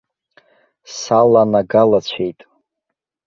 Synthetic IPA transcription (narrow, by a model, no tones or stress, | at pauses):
salanaɡalat͡ɕʷʰe̞jtʼ